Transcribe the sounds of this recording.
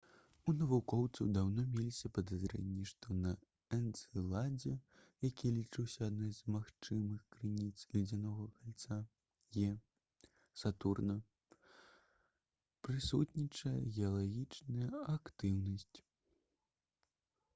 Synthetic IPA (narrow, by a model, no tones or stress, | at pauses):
unɐvukɔwt̪sɐwd̪awnɔmʲɛlʲisʲɐpɐd̪azɾɛ̰nʲːiʂt̪ɔnɐ | ɛnt̪sɨlˠad͡zʲɛ | jakʲilʲit͡ʂɨwsʲɐad̪nɔjzmaxt͡ʂɨmɨxkɾɨnʲit̪slʲid͡zʲanɔɣɐkalʲt̪sa | jɛ | sat̪urnɐ | pɾɨsut̪nʲit͡ʂɐjɛ̰ɣʲɛɐlˠaɣʲit͡ʂnɐjɐakt̪ɨwnɐsʲt͡sʲ